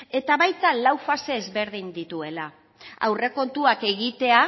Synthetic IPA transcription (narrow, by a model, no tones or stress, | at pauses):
e̞t̪aβajt̪alawfase̞ːzβe̞ɾð̞ind̪it̪ue̞la | a̰wre̞ko̞nt̪uake̞ɣit̪e̞a